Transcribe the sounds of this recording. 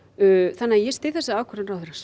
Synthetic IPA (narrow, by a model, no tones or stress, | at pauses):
θanːaajɛst̪ɪθɛsaawkʰɔɾɪnrawθɛɾas